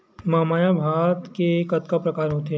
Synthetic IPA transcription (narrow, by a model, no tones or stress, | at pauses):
maːmaːjabʱaːt̪kekɐt̪kapɾɐkaːɾɦoːt̪e